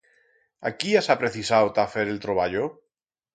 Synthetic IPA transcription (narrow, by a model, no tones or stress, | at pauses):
a̰kiasapɾeθisawt̪afeɾelt̪ɾoβaʎo